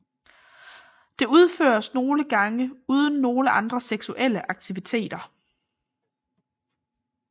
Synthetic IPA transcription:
d̥e̝uð̞ˠfø̰ːɐsno̝ːləɡ̥ɑ̈ŋəuːð̞ˠən̩ːo̝ːləʔɑ̈nd̥ʁɐseɡ̥suʔel̰əʔɑ̈ɡ̥̚t͡sʰiʋit͡sʰe̝̰ːd̥ɐ

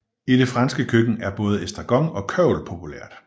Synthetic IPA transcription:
iɾ̥e̝fʁɑ̈nsɡ̥əkʰøɡ̥n̩æɐb̥ɔ̽ːð̞̩ˠesd̥ʁɑ̈ɡ̥ɒ̽ŋɒ̽kʰœʊ̰lpʰo̝pʰuleɐ̰d̥

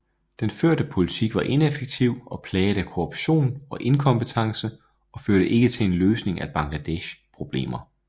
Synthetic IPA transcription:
d̥enføɐ̰d̥əpʰo̝lit͡sʰiɡ̥ʋɑ̈ʔe̝nefeɡ̥̚t͡sʰiʊ̰ɒ̽pʰlɛːd̥ækʰoʁob̥ɕo̝̰ːnɒ̽ʔe̝nkʰɒ̽mb̥ət͡sʰɑ̈ŋsə | ɒ̽føɐɾ̥əʔe̝ɡ̥ət͡sʰe̝lenløːsne̝ŋæb̥ɑ̈ŋlæd̥eɕpʰʁo̝b̥le̝̰ːmɐ

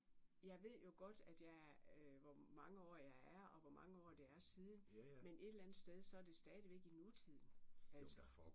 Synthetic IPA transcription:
jɑ̈ɪʋe̝ð̞̰ˠjo̝ɡ̥ɒ̽d̥æd̥jɑ̈ɪʋɒmɑ̈ŋəɒ̰ːjɑ̈ɪæɐɒ̽ʋɒmɑ̈ŋəɒ̰ːd̥e̝æɐsiːðˠn̩menʔe̝d̥lænð̩ˠsd̥eð̞ˠsɒ̽æɐd̥e̝sd̥ɛːðˠʋeɡ̥inut͡sʰið̰ˠn̩æls

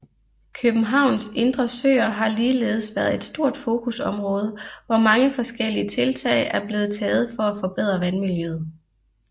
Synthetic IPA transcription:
kʰøb̥n̩ɦɑ̈ʊ̰nse̝nd̥ʁɐsø̰ːɐɦɑ̈liːle̝̰ːð̞̩ˠsʋæɐð̩ˠe̝d̥sd̥o̝ɐ̰d̥fo̝ːkʰusɒ̽mʁɔ̽ːð̞ˠəʋɒmɑ̈ŋəfɒ̽sɡ̥el̰iət͡sʰe̝lt͡sʰɛ̰ɪʔæɐb̥le̝ːð̞̩ˠt͡sʰɛːð̞̩ˠfɒ̽æfɒ̽b̥eð̞̰ˠʁɐʋænmiljøð̞̩ˠ

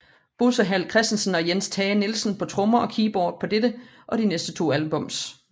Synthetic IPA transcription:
b̥ulsəɦæl̰kʰʁɛsd̥n̩sən̩ɒ̽jenst͡sʰɛːnelsən̩pʰɒ̽t͡sʰʁɔmɐʔɒ̽kʰiːb̥ɒ̰ːd̥̚pʰɒ̽d̥edə | ʔɒ̽d̥inesd̥ət͡sʰo̝̰ːælb̥ɔ̽m̰s

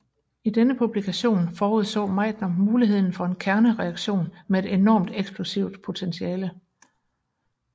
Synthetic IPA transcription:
id̥enəpʰub̥likʰæɕo̝̰ːnfɒːuð̞ˠsɔ̰ːmɑ̈ɪd̥nɐmuːliɦe̝ð̞̰ˠn̩fɒ̽e̝nkʰæɐnəʁɛɑ̈ɡ̥ɕo̝̰ːnmee̝d̥e̝nɒ̰ːmd̥eɡ̥sb̥lusiʊd̥pʰo̝t͡sʰensiɛːlə

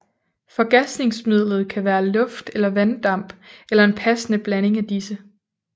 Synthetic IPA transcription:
fɒ̽ɡ̥æsd̥ne̝ŋsmið̞̰ˠlð̞̩ˠkʰæʋæːɐlɔ̽fd̥elɐʋænd̥ɑ̈m̰b̥elɐe̝npʰæsənəb̥læne̝ŋæd̥isə

